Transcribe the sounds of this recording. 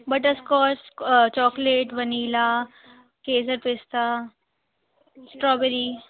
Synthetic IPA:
bɐʈəskɔːst͡ʃɔːkleʈʋɐniːla | keːs̬əɾpɪst̪a | sʈɾɔːbɛɾi

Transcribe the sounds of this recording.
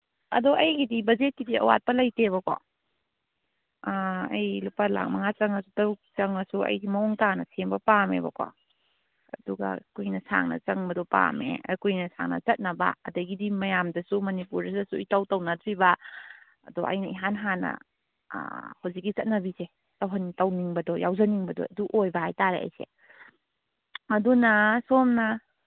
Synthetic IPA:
ɐ̰doʔɐjɡidibɐd͡ʒet̚kidiɐ̰wa̰t̚pɐlɐjteβɐko̰ | ɐ̰jlupala̰k̚mɐŋat͡ʃɐŋɐsutɐt͡ʃɐŋmɐsuɐ̰jɡimɐoŋtanɐsʰeŋbɐpamḛbɐ̰kʰo̰ | ɐduɡɐ̰kujnɐsa̰ŋnɐ̰t͡ʃɐŋbɐdopa̰mḛkujnɐsa̰ŋnɐ̰t͡ʃɐt̚nɐbɐ̰ɐdɐɡidimɐjamdɐsumɐnipuɾdɐdɐsujtɐwtɐwnɐdɾibɐ | ɐdɔʔɐ̰jnɐiɦanɦanɐ̰ | hawzik̚ːit͡ʃɐt̚nɐbise | tɐwɦɐntɐwniŋbɐdɔjawzɐniŋbɐdɔ̰ɐduʔojbɐɦajtaɾeʔɐ̰jsḛ | ɐdunɐsomnɐ

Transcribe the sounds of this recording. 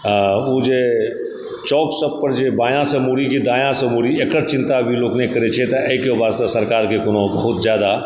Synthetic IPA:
od͡ʒe | t͡ʃɔːksəb̚pəɾd͡ʒebaːjãsɐmuːɾikid̪aːjãsɐmuɾiekəɾt͡ʃɪ̃nt̪abʱiloːknekɐɾet͡ʃʰet̪ɐʔekebaːst̪asɐɾkaːɾkekʊnõbɐɦʊt̪zjaːd̪a

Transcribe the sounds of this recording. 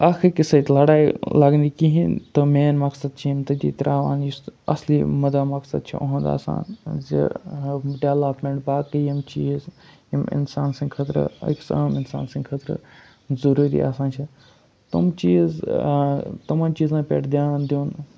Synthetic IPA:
aːxʰiɾkisɐt̪lɐɽaːjlɐɡnikiɦĩt̪ɨmeːnmɐksɐd̪̚t͡ʃʰiimt̪ɐd̪ḭːt̪ɾʔaːʋaːnjisɐ̰sliːmɐd̪aːmɐksɐd̪̚t͡ʃʰḭʔo̰ɦɐ̃nd̪a̰ːsa̰ːnzḭ | ɖeʋlapmeɳʈ̚baːkəimt͡ʃiːz | imɪ̰nsaːnsɐ̃ŋɡkʰɐt̪ɾə̰ḭksɐːmɪnsa̰ːnsɐ̃ŋɡkʰɐt̪ɾə̰ | zɐɾuːɾḭːa̰ːsãːnt͡ʃʰi | t̪umt͡ʃiːz | t̪ɐmaːnt͡ʃiːzãːpḛːʈʰd̪jaːnd̪juːn

